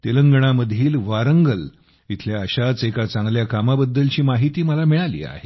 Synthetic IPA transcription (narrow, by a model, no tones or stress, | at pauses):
t̪eləŋɡəɳ̃aməd̪ʱiːlʋaɾəŋɡəl | it̪ʰljaəɕat͡sekat͡sãŋɡljakamabəd̪ːəlt͡ɕiːmaɦit̪iːməlamiɭalḭːa̰he